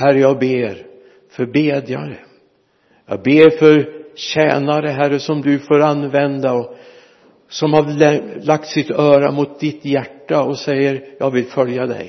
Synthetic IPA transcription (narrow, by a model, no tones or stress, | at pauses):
hæɾəjɑːɡ̚beːɾ | fœɾbeːd̪ja̰ɾə | jɑ̰ːɡ̚beːɾfœɾɕɛːnaɾəɦæɾəsɔmd̪ɵfoːɾanːvɛnd̪aɔ | sɔmhaɾɛlak̚t̪sɪt̪œːɾa̰mʊt̪̚d̪ɪt̪jæʈːaɔsɛjːəɾjɑːɡvɪlfœljad̪ɛ̰j